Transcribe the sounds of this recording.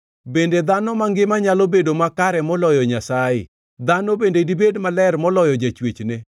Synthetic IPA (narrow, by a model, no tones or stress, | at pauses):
bended̪anɔmaŋɡɪmaɲalɔbedomakaɾɛmɔlɔjɔɲasajɪ̰ | d̪anɔbendedibedmalɛrmɔlɔjɔd͡ʒat͡ʃwet͡ʃne